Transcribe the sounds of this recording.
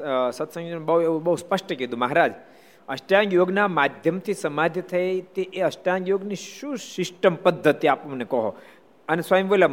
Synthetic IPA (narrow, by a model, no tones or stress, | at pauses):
sɐt̪ʰsə̃ŋɡbɐɦueubəɦuspəʃʈəked̪ũmɐɦaɾad͡ʒ | ɐʃʈjaŋɡjoɡnamad̪ʱjəmt̪ʰisɐmad̪ʱjət̪ʰɐet̪eʔeəsʈjaŋɡjoːɡniʃũsɪsʈəmpəd̪ʱːət̪iapmɐnekɔɦo | ɐnesʋajəmʋela